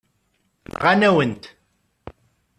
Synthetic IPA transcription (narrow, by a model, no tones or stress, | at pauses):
ʁanæwənt̪